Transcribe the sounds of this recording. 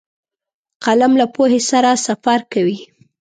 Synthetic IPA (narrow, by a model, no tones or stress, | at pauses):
qalamlapohesaɾasafaɾkawi